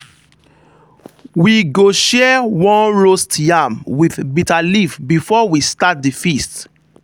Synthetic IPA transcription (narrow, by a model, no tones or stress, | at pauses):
wiɡoʃɛwɔ̃nɹostjamwiðbitalifbifɔwistat̚difist